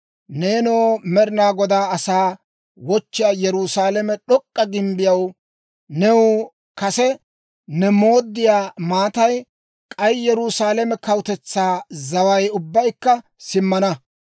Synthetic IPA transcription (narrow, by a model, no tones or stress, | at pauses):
neːnoːmɛɾɪnaːɡɔd̪aːɐsaː | wɔt͡ʃːɪjaːjɛɾusaːlɛmɛɗɔkʼːɐɡɪmbɪjɐw | nɛw | kɐsɛ | nɛmo̞ːd̪ːɪjaːmaːt̪ɐj | kʼɐjjɛɾʊsaːlɛmɛkɐwt̪ɛt͡sːaːzɐwɐjʊbːɐjkːɐ | sɪmːɐnɐ